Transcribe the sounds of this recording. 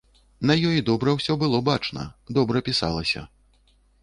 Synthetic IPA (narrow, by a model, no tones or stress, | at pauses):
nɐjɔjid̪ɔbɾɐwsʲɔbɨlˠɔbat͡ʂnɐ̰d̪ɔbɾɐpʲisa̰lˠɐsʲɐ̰